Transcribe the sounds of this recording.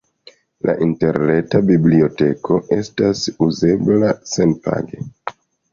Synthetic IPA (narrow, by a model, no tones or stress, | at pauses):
lʔa̰ʔinte̞ɾne̞tabiblio̞te̞kʰo̞ʔe̞stasuze̞blase̞npa̰ɡe̞